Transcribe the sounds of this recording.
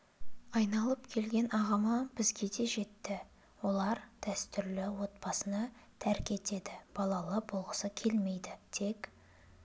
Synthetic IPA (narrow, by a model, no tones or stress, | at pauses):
ɑjnɑlˠəpkʲʰe̞lɡʲe̞nɑʁɑmɑbɪzɡʲe̞d̪e̞ʒe̞t̪ːɪ | wo̞lˠɑɾd̪̥æst̪ʏɾlɪwo̞t̪̚pɑsənɑt̪ʰæɾkʲe̞t̪e̞d̪ɪb̥ɑlˠɑlˠəbolˠʁəsəkʲʰe̞lme̞jd̪ɪt̪ʰe̞k